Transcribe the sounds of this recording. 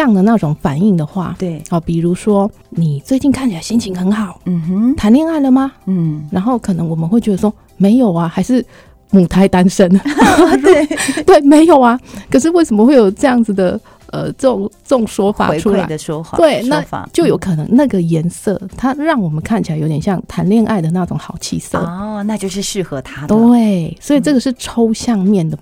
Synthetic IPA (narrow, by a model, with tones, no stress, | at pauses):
jɑ˥˩ŋd̪ə˩na˥˩ʈ͡ʂʊ˨˩ŋfa˨˩ni˥˩ŋd̪ə˩xwa̰˥˩t̪e˥˩ɔ˥˩pi˨˩ɻu˧˥ʂwɔ˥ | ni˨˩t͡swe˥˧ɪt͡ɕi˥˧nkʰa˥˩nt͡ɕʰi˨la˧˥ɪɕi˥nt͡ɕʰi˧˥ŋxə˧˥nxɑ˨˩˦ʊ˩t̪ʰa˧˥nljɛ˥˧na˥˩ɪlə˩ma˨˥˩ɻa˧˥nxo˥˩ʊkʰɤ˨˩nɤ˧˥ŋwɔ˨˩mə˦nxwe˥˩ɪt͡ɕɥɛ˧˥d̪ə˨˩ʂwɔ˥ | me˧˥ɪjo˨˩ʊɐ˦xa˧˥ɪʂɻ̩˥˩ | mu˨˩t̪ʰa˧˥ɪt̪a˥nʂə˦n | t̪we˥˩ɪme˧˥ɪjo˨˩ʊɐ˦kʰɤ˨˩ʂɻ̩˥˧we˥˩ɪsə˧˥mə˧xwe˥˩ɪjo˨˩ʊʈ͡ʂɤ˥˧jɑ˥˩ŋd͡zɹ̩˨˩d̪ə˩ | ə̰˧˩ʈ͡ʂɤ˥˩ʈ͡ʂʊ˨˩ŋʈ͡ʂŋʂwɔ˥fa̰˨˧˦ʈ͡ʂʰu˥a˧˨˥ɪə˨ʂɔ̰˥˨t̪we˥˩ɪna˥˧a̰˨˩t͡ɕjo˥˩ʊjo˧˥ʊkʰɤ˨˩nɤ˧˦ŋna˥˩ɡə˩jɛ˧˥nsɤ̰˥˩t̪ʰa˥ɻɑ˥˩ŋwɔ˨˩mə˦nkʰa˥˩nt͡ɕi˨la˧ɪjo˧˥jɛ˨˩ɕjɑ˥˩ŋt̪ʰa˧˥nljɛ˥˧nʔa˥˩ɪd̪ə˩na˥˩ʈ͡ʂʊ˨˥ŋxɑ˨˩ʊt͡ɕʰḭ˥˩sɤə̰˥˩na˥˧t͡ɕjo˥˧ʊʂɻ̩˥˩ʂɻ̩˥˩xɤ˧˦t̪ʰa˥e˥˩ɪswɔ˧˥i˨˩ʈ͡ʂɤ˥˩ɡə˩ʂɻ̩˥˩ʈ͡ʂʰo˥ʊɕjɑ˥˧ŋmjɛ˥˩nd̪ə˩